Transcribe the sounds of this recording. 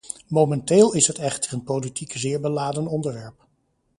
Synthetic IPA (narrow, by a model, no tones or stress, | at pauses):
mowmɛnteːlˠɪsɦətɛχtərənpolitikzɪːɹbəlaːdənɔndəɹʋɛɹp̚